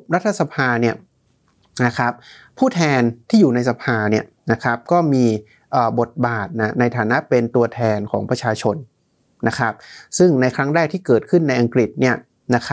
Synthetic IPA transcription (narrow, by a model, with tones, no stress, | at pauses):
ɾa˦˥t̪ʰːa˧sa˧pʰaː˧ni˥˩ɐ | na˦˥kʰɾa˦˥p̚pʰːuː˥˩t̪ʰɛː˧nt̪ʰiː˥˩juː˨˩na˧jsa˧pʰaː˧ni˥˩ɐ | na˦˥kʰɾa˦˥p̚kɔː˥˩miː˧ | ʔəː˨˩bo˨˩t̪̚baː˨˩t̪̚na˦˥˩na˧jt̪ʰaː˩˦na˦˥pe˧nt̪u˧ɐt̪ʰɛː˧nkʰɔː˩˦ŋpɾa˧t͡ɕʰaː˧t͡ɕʰo˧n | na˦˥kʰɾa˦˥p̚sɯ˥˩ŋna˧jkʰɾa˦˥ŋɾɛː˥˩k̚t̪ʰiː˥˩kɤː˨˩t̪̚kʰɯ˥˩nːa˧jʔa˧ŋkɾi˨˩t̪̚ni˥˩ɐ | na˦˥kʰa˦˥